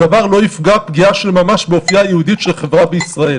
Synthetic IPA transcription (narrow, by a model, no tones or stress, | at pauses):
avaʁlo̞ifɡapɡiaʃe̞lmamaʃbeofijajeud̪itʃelχevʁabeisʁael